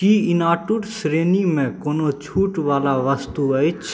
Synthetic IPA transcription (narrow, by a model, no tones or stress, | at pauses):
iɪnaːʈʊɾsɾeːnimẽkoːnot͡ʃʰuːʈʋaːlaʋəst̪uət͡ʃʰ